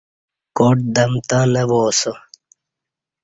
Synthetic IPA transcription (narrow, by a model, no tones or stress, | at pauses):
koːʈ̚d̪ɐmt̪ãːnɐwoːso